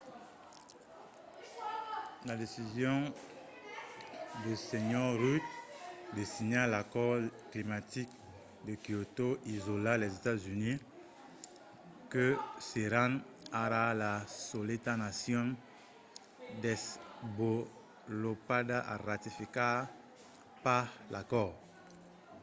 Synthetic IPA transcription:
ladesizjɔ̃ | dəsɛɲɔʁʁut̪̚desiɲalakɔʁklimat̪ik | d̪əkiotoizolalɛzetazyni | kəseʁan | aɾalasoletanasjɔ̃n | d̪ɛsbo | lopadaʔa̰ʁatifika | paʁlakɔʁ

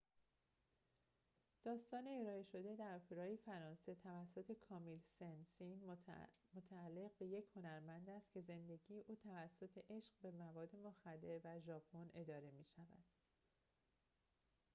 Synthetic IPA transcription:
d̪̥ɒːst̪ɒːneːɾɒːeʃo̞d̪e̞d̪æɾfuɾɒːjefæɾɒːnse̞t̪ʰævæsːo̞t̪ʰe̞kʰɒːmilsensin | mot̪ʰæːlːe̞ʁbe̞je̞cʰho̞næɾmænd̪æst̪cʰe̞ze̞nd̪e̞ɟiːjeʔuːt̪ʰævæsːo̞t̪ʰeʔe̞ʃɢbe̞mævɒːd̪ːe̞moxæd̪ːe̞ɾvæʒɒːpʰo̞ne̞d̪ɒːɾe̞miːʃævæ̰d̪̥

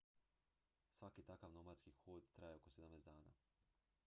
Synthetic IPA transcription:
sʋakit̪akaʋnomat̪skixoːd̪t̪ɾajeokosed̪amneːzd̪aːna̰ː

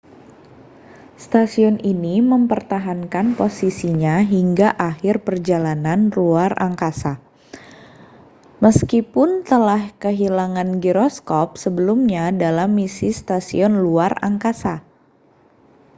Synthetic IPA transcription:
st̪asiɔniniməmpərt̪aɦankanposisiɲaɦiŋɡaʔahɪrpərd͡ʒalananluara̰ŋkasa | məskipʊnt̪əlahkəɦilaŋanɡiɾɔskɔp̚səbəlumɲadalamːisist̪asḭɔnluara̰ŋkasa

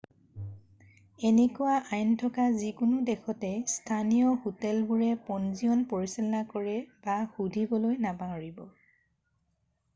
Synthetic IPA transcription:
enɛkuwaʔajntʰɔkazikʊnudɛxʰɔtɛstʰanijɔhotɛlbuɹɛpɔnziɔnpoɹisilɔnakɔɹɛbaxudʱibɔlojnabaɹibɔ

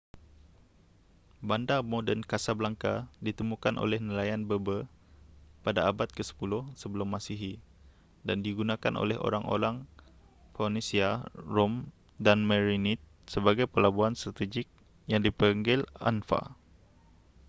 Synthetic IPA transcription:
bandamodənkasabəlaŋkadit̪əmũkanʔo̰lɛhnəlajanbəbə | padaːbat̪̚kəsə̥pulʊhsəbəlʊmːasiɦi | dandiɡunãkanʔo̰lɛɦo̰ɾaŋo̰ɾaŋ | fawnisiarom | danməɾinit̪̚ | səbaɡajpəlabuanst̪ɾat̪id͡ʒɪk̚ | jaŋdipəəŋɡɪla̰nfa̰

